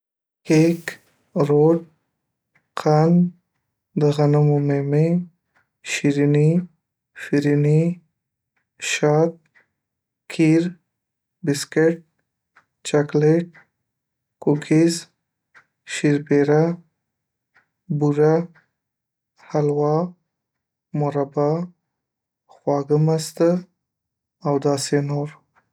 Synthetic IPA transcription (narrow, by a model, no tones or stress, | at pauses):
kek | ɾoɖ | qʰan | d̪əɣanamomeme | ʃiɾini | fiɾini | ʃɑt̪̚ | kʰiɾ | bɪskeʈ̚ | t͡ʃakleʈ̚ | kokʰɪz | ʃiɾpeɾa | buɾa | halwɑ | mʊɾabɑ | xwɑɡəmast̪ə | awd̪ɑsenoɾ